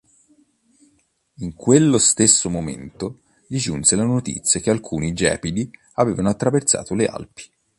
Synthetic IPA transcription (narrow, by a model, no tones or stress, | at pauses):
iŋkwelːost̪esːomomḛnt̪o | d̪id͡ʒunselanot̪ḭt̪sːjakealkʰuːnid͡ʒɛ̰ːpid̪i | aveːvanoat̪ːɾavert̪sa̰ːt̪olea̰lpi̥